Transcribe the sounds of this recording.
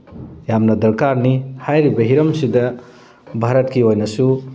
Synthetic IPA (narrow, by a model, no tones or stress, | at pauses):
jamnɐdɐɾkaɾnihajɾibɐɦiɾɐmsidɐ | bʱaɾɐtkiojnɐsu